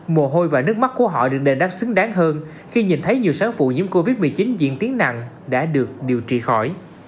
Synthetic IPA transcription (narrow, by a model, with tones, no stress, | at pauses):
mo˨˩ɦo˧jvaː˨˩nɨ˦˥ək̚ma˦˥k̚ku˧˩əɦɔ̰˧˨ɗɨ˨˩ək̚ɗe˨˩ɗaː˦˥p̚sɨ˨˦ŋɗaː˨˦ŋɦəː˧n | xi˧ɲi˨˩nt̪ʰə˨˦jɲi˨˩əwsaː˨˦ŋfṵ˧˨ɲɨ̰˧˥əmko˧vi˦˥t̚mɨ˨˩t͡ɕi˨˦nzḭ˧˨ənt̪i˨˦əŋna̰˧˨ŋ | ɗa̰ː˧˥ɗɨ˨˩ək̚ɗi˨˩əwt͡ɕḭ˧˨xɔ˧˩j